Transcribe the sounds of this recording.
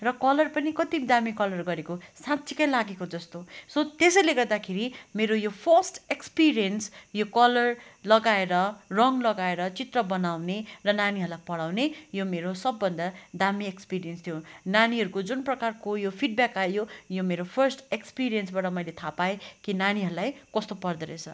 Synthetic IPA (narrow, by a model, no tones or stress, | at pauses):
rʌkʌlʌrpʌnikʌt̪id̪amikʌlʌrɡʌɾekosãtsʰikʌjlaɡekod͡zʌst̪osʌt̪esʌjleɡʌrd̪akʰeɾimeɾojopʰʌrsʈekspiɾijʌnsjokʌlʌrlʌɡaeɾʌrʌŋlʌɡaeɾʌt͡sit̪rʌbʌnawnerʌnaniɦʌɾulajpʌɽawnejomeɾosʌbːʌnd̪ʌd̪amiekspiɾijenst̪ʰjonaniɦʌɾukod͡zunprʌkarkojopʰiɖ̚bjakajojomeɾopʰʌrsʈekspiɾijʌnsbaʈʌmʌjlet̪ʰapaekinaniɦʌɾulajkʌst̪opʌrd̪ʌɾet͡sʰʌ̰